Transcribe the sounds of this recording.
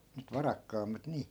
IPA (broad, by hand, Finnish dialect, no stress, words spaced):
nyt ʋɑrɑkːɑːmːɑt niː